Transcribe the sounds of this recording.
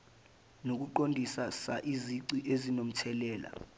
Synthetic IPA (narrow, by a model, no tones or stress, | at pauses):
nok̬uǃondʱisasaʔiziǀiʔezinom̩tʰɛlɛːla̰